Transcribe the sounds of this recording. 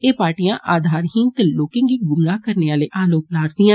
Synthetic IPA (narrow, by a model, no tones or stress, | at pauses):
eːpaːʈijãʔaːd̪ʱaːɾɦɪ̃ŋt̪eloːkɪ̃ŋɡiɡʊnɡaːkəɾneːʋaːleʔaːloːplaːɾd̪ijãː